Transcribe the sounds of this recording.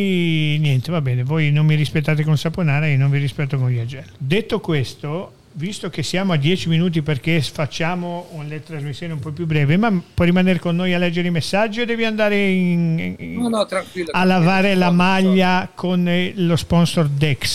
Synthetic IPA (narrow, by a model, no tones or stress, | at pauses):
njɛnt̪evabːɛːnevojnonmiɾispet̪ːaːt̪̬ekonsaponaːɾainonviɾispɛt̪ːokõnjad͡ʒɛlːod̪et̪ːokwest̪o | vist̪okesːjaːmoad̪jɛːt͡ʃiminuːt̪̬iperk̟efat͡ʃːaːmounlet̪ɾazmisːjoːneumpɔpːjubːɾɛːvemapːwɔrimaneːɾekonːoːjalːɛd͡ʒːeɾeimesːad͡ʒːied̪ɛːviand̪aːɾein | t̪ɾaŋkialːavaːɾelamaʎːakʰonlospɔnsord̪ɛks